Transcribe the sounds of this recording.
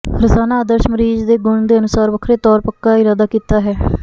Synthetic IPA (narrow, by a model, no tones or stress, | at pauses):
ɾɪsaːnaːd̪əɾʃməɾiːd͡ʒd̪eːɡʊɳd̪eːənʊsaːɾʋəkʰɾeːt̪ɔːɾpəkːaːɪɾaːd̪aːkiːt̪aːɦɛː